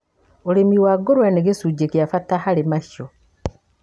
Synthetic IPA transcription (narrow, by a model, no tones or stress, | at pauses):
oɾemiwaɡoɾwaneɡesuːd͡ʒekjafatahaɾemaʃjo